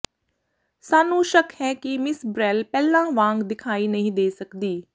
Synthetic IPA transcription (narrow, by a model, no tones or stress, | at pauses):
saːnũːʃəkhɛːkɪmɪsbɾɛːlpɛːlãːʋãːŋɡd̪ɪkʰaːiːnəɦĩːd̪eːsəkd̪iː